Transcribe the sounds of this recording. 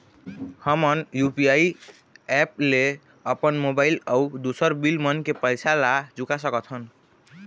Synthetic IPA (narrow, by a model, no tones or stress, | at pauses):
həmʌnjupijai | ɛp̚le | əpənmobailaud̪osəɾbilmənkepəjsʰalad͡ʒukasəkət̪ʰən